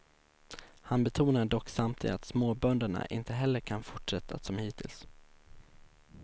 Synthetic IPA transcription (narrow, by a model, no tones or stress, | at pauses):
hanbɛt̪ʰuːnaɖɔkːsamt̪ʰɪ̰at̪smoːbœnd̪aɳa̰ʔɪ̰nt̪əɦɛlːəɾkʰanfʊʈʂɛt̪ʰːa̰sɔmhiːt̪ʰɪ̰ls